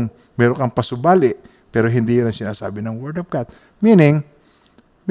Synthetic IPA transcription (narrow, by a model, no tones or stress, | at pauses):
ŋ | mɛɾoŋkɐŋpɐsʊbaːlɪʔ | pɛːɾoɦɪnd̪ijnɐŋsɪnaːsa̰ːbɪnɐŋwɛɹd̪ɐp̚kat̪̚ | minɪŋ | m